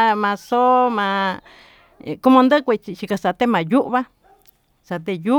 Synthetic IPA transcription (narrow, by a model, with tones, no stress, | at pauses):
mã˧so˦mã˧˨˧ | ku˦mõ˧nd̪ɨ˦kʷe˧t͡ʃi˧t͡ʃi˧ka˧sa˧t̪e˦mã˨ju˦ʔβa˦ | sa˨˧t̪e˧ju˦